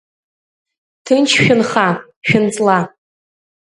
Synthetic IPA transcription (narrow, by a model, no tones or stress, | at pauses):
tʰɨnt͡ʃʰʃᶣʊnχa | ʃᶣʊnt͡sʼla